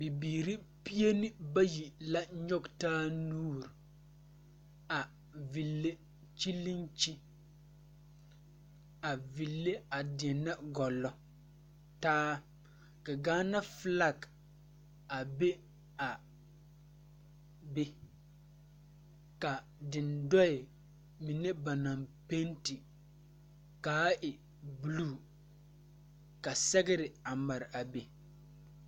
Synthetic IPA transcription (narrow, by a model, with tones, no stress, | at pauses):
bi˨biː˨ɾi˦pi˦e˦ni˦ba˦ji˨la˦ɲɔ˦ɡtaː˦nuː˦˨ɾi˨ | a˨ | vi˨lːe˦ | t͡ʃi˦lːi˦nt͡ʃi˦ | a˨vi˨lːe˦a˨dɪ˨nːa˦ɡɔ˨lɔ˦ | taː˦ | ka˨ɡaː˦na˦fla˦k | a˨be˦ | a˨ | be˦ | ka˨ | dɪ˨ndɔ˦ɪ˨ | mi˨ne˦ba˨na˨mpe˦nti˨ | kaː˨˦ʔɪ˨ | bu˨lu˦˨ | ka˨sɛ˦ɡɪ˦ɾɪ˨a˨ma˨ɾɪ˨ʔa˨be˨